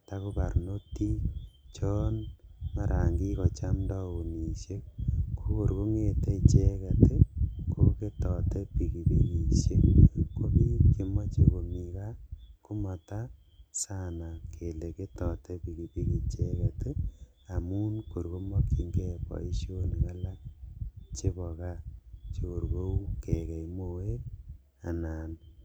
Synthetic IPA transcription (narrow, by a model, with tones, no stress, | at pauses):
ta˦ku˦pa˨ɾno˦ti˦t͡ʃɔ˦nma˦ɾʔa˨ŋɡi˦kɔ˨t͡ʃa˦mdɔ˦ku˨ni˨ʃe˦k̚kʰu˦ko˨ɾku˦ŋe˨te˦t͡ʃe˦kɛ˨te˦kʰo˨ke˦tɔ˨te˦pi˨ki˨pi˨ki˨ʃe˦kːo˦mi˦ke˨mɔ˦t͡ʃe˨ko˨mi˨ka˦ku˦mɔ˨ta˦ | sa˦na˨kʰe˨le˨ke˦tɔ˨tɛ˦pi˨ki˨pi˦ki˨t͡ʃe˦kɛ˨tɪ˦ | a˨mu˦nko˨ɾko˦mɔ˦ki˦ŋɡɛ˦pɔ̰˨i˦ʃo˦n˨ka˦la˦ | t͡ʃe˦bɔ˨ka˦t͡ʃe˨ko˨ɾɣo˦u˦ke˨kɛ˨i˨mo˨we˦k̚ | a̰˨naː˨n